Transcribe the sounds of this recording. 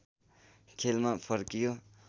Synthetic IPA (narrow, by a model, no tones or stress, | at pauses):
kʰelmapʰʌɾkijo